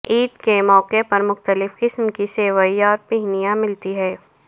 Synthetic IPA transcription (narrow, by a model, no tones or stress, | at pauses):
iːd̪kemɔːqepɐɾmʊxt̪əlɪfqɪsmkiseːʋəiɔːɾpiɦnijãmɪlt̪iɦɛː